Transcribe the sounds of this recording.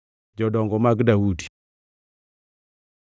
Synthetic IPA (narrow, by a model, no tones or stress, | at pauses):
d͡ʒɔdɔŋɡɔmak̬dawudi